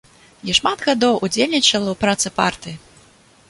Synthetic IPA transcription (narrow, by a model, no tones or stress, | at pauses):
jɛʂmad̪ɣad̪ɔwʔud͡zʲelʲnʲit͡ʂɐlˠɐwpɾat̪sɨpa̰rt̪ɨji